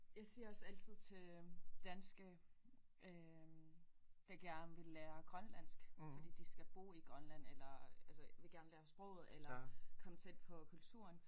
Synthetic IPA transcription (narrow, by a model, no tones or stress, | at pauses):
jɑ̈ɪsiːɐɒ̽sæl̰t͡sʰið̞̰ˠt͡sʰe̝d̥ænsɡ̥ə | ʔø | d̥ɑ̈ɡ̥æɐnʋe̝lːæːɐɡ̥ʁɶnlæn̰sɡ̥fɒd̥ḭːd̥isɡ̥æb̥o̝̰ːiɡ̥ʁɶnlæn̰elɐælsəʋe̝ɡ̥æɐnlæːɐsb̥ʁɔ̰ʊð̞̩ˠelɐkʰɒ̽mət͡sʰed̥̚pʰɒ̽kʰult͡sʰṵːɐn